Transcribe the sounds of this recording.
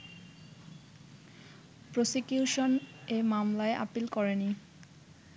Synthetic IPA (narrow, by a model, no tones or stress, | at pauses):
pɾosikjuʃonemamlaeʔa̰pilkɔɹeni